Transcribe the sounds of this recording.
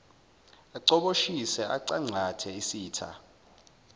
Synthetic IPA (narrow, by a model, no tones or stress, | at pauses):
aǀɔɓoʃisɛʔaǀaŋ͡ǀʱatʰɛisiːtʰa̰